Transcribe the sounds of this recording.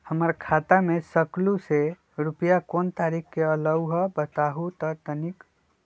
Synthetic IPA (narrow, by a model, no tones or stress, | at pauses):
həməɾkʰat̪amesəkluse | ɾupijakoːnt̪aɾikʰkeələwɦəbət̪aɦut̪ət̪ənik